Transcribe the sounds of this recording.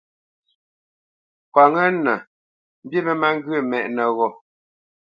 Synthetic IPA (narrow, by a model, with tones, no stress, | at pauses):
kwa˨ŋə˦nə˨ | m̩˦bji˦bə˦ma˦ŋ˦ɡɥə˦˨mɛ˨ʔnə˨ɣɔ˨